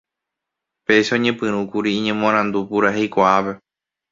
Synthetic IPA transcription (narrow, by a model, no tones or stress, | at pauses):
pe̞ʃeõɲẽpɨ̃ɾ̃ũkuɾĩːɲẽ̞mõɾ̃ãnd̪upuɾaɦe̞jkʷaape̞